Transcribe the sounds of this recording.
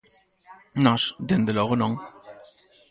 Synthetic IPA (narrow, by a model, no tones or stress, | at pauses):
naʂd̪end̪əlɔʁənɔŋ